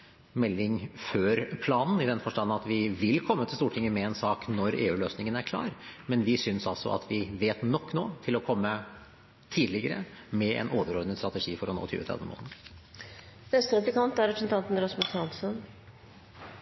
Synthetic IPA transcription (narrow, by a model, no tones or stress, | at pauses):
mɛlːɪŋføːɾpʰlɑːnn̩ɪd̪ɛnfɔʂʈɑnːnɑt̪ʋɪʋɪlːkʰɔmːət̪ɪlst̪uːʈʰɪŋːəmɛɛnsɑːknɔɾḛːʉːløːsnɪŋənæɾkʰlɑ̰ːɾmɛnʋɪsʏnsɑlsɔ̰ʔɑ̰t̪ʰʋɪʋeːt̪nɔkːno̰ːt̪ʰɪlɔkʰɔmːə | t̪ʰiːd̪lɪɡəɾə̰mɛʔɛ̰noːʋəɾɔɾd̪nəst̪ɾɑt̪əʂiːfɔɾɔno̰ːt̪ʰy̰ːət̪ʰɾɛ̰d̪əmo̰ːlə | nɛst̪ɾɛfəkʰɑnt̪æɾɛpɾsɛnt̪ʰɑnt̪n̩ɾɑsmʊsɑlsən